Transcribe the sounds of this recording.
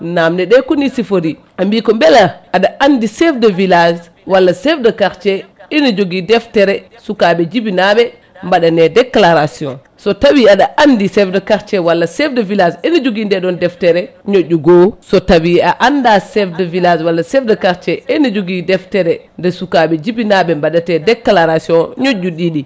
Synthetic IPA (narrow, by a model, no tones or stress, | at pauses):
namdɛɗɛkunisifoɾi | ambikɔmbɛlaaɗaʔandisɛfdɛvilaz | walːasɛfdɛkaɾt͡ʃɛɛnid͡ʒoɡidɛftɛɾɛ | sukaɓɛd͡ʒibinabɛ | mbaɗanɛdɛklaɾasiɔ̰̃n | sɔtabiaɗaʔandisɛfdɛkaɾt͡ʃɛwalːasɛfdɛvilasɛnid͡ʒoɡindɛɗɔndɛftɛɾɛ | ɲoɟːuɡosɔtawiaʔandasɛfdɛvilad͡ʒwalːasɛfdɛkaɾt͡ʃɛɛnid͡ʒoɡidɛftɛɾɛndɛsukaɓɛd͡ʒibinaɓɛmbaɗatɛdɛkːlaɾasiɔnɲoɟːuɗiɗi